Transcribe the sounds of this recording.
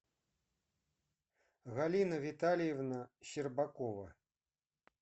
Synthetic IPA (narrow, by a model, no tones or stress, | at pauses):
ɣalʲinɐvʲit̪alʲjɛvnɐɕirbakɔvɐ